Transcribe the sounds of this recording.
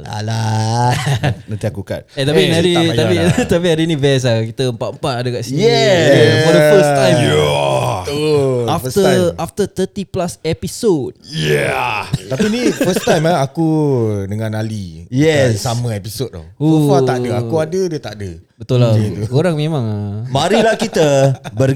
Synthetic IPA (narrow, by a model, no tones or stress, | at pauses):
a̰la | nãnt̪iakuka̰t̚ɛt̪apinãdit̪apit̪apiadinivɛs̬lakit̪əəmpaʔ̪əmpat̪adəkaʔsinjɛ | oɾəfəst̪ãjj | afəst̪əaft̪ət̪ət̪iplasɛpisod̚jɛt̪apinĩfəst̪ajmaakudəŋãnalijɛssamə̃episot̚ːɔ̰oat̪aʔdəakuadədət̪aʔdə | bət̪ulakoɾaŋmẽmãŋamãɾilahkit̪əbər